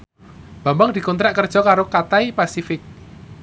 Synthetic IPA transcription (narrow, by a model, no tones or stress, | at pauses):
b̥ambaŋd̪̥i̤kunt̪ɾaʔkərd̥ʒ̥ɔ̤kaɾokat̪aipasifɪk̚